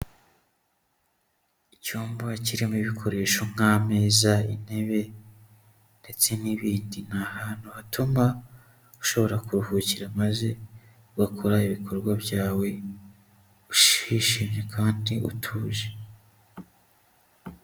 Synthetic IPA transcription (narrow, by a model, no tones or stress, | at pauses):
icuːmbaciɾimuβikʰo̞ɾe̞ːʃo̞ŋŋ̥aːme̞ːzaḭn̥e̞βe̞ | nde̞t͡se̞niβiːndinahaːn̥huhatuma | uʃo̞βo̞ɾakuɾuhuciɾamaze̞ | ɡakʰoɾaiβikʰo̞ɾɡwabjaːwe̞ | uʃhiʃimɲekʰaːndiṵtʰuːʒe